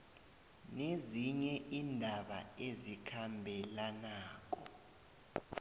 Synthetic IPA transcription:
neziɲɛʔindʱaɓa̰ezikʰambʱɛlanaːk̬ɔ̰

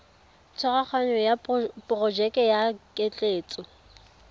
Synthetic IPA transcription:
t͡sʰɔrak͡xʰwaɲɔjapʼrɔd͡ʒɛkʼɛjakʼet͡ɬʼeːt͡sʼɔ

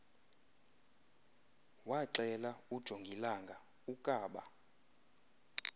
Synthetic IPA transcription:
waǀɛlaud̥ʒ̥ʱoŋɡʱilaŋɡʱa | ukʼaːɓa̰

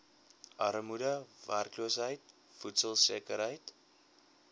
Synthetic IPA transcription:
ʔɐɾəmudəværkluəsɦəjt | futsəlˠsiəkəɾɦəjt

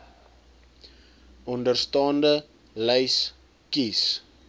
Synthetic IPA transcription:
ʔɔndərstɑːndə | lɛjs | kis

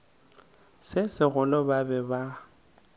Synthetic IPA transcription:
sɪsɪɣʊlɔbabɛba

